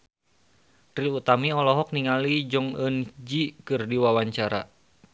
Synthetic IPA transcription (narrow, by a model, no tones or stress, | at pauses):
t̪ɾiut̪amiɔlɔɦɔk̚niŋalid͡ʒɔŋənd͡ʒikɨrdiwawaɲt͡ʃaɾa̰